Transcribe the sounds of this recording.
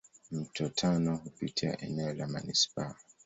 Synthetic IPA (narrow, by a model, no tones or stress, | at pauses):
m̩tɔtʰanɔhupitia̰ʔɛnɛɔlama̰nispa